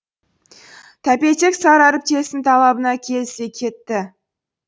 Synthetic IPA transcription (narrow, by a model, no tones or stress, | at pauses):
t̪ʰæpe̞t͡ʃe̞ksɑɾɑɾəp̚k̪ʲʰe̞sɪnt̪ʰɑlˠɑbənɑkʲʰe̞lɪse̞kʲʰe̞t̪ːɪ